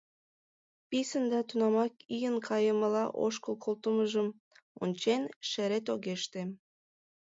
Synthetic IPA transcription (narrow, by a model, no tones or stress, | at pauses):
pisə̆nd̪ɑt̪unɑmɑkijənkʰɑjə̆mə̆lɑʔo̰ʃkəlˠkʰolˠt̪əməʒəm | o̰nʲt͡ɕenʃeɾet̪̬oɣeʃt̪e